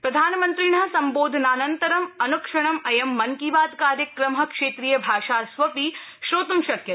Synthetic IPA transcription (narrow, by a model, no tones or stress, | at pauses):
pɾɐd̪ʱaːnmɐnt̪ɾiɳɦɐsɐmboːd̪ʱnaːnɐnt̪ɐɾɐmɐnukʂɐɳ̃ɐmɐjɐmːɐŋkiʋaːd̪kaːɾjɐkɾɐmɦɐ̆kʂeːt̪ɾijɐbʱaːʃaːsʋɐpiːʃɾoːt̪umʃɐkjɐ